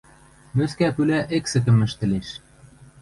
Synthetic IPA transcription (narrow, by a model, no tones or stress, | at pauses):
møskæpylæʔeksɘ̆k̬ɘ̆mɘ̆ʃt̪ɘ̆leʃ